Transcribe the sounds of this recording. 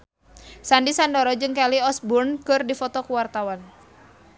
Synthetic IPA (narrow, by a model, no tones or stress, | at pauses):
sandisandɔɾɔd͡ʒɨŋkaliɔsburnkɨrdifɔt̪ɔkuwart̪awan